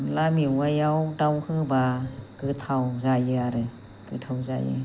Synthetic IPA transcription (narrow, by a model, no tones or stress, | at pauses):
lamiwajawdawhɯbakɯtʰawzajɯaɾɯ | kɯtʰawza̰jɯ̰